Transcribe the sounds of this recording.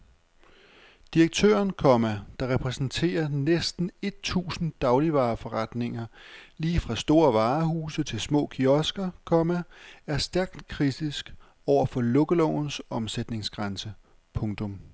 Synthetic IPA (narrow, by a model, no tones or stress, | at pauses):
d̥iɐɡ̥̚t͡sʰø̰ːɐnkʰɒ̽mæd̥ɑ̈ʁɛpʰʁɛsn̩t͡sʰe̝̰ːɐnesd̥n̩e̝d̥̚t͡sʰṵːsn̩d̥ɑ̈ʊliʋɑ̈ːfɒ̽ʁɑd̥ne̝ŋɐliːfʁɑ̈sd̥o̝ːɐʋɑ̈ːhuːsət͡sʰe̝lsmɔ̰̽ːkʰiɒ̽sɡ̥ɐkʰɒ̽mææɐsd̥æɐɡ̥̚d̥kʰʁid̥isɡ̥ | ɒʊ̰ɐfɒ̽loɡ̥əlɔn̩sɒ̽msed̥ne̝ŋsɡ̥ʁansə | pʰɔ̽ŋt͡sʰɔ̽m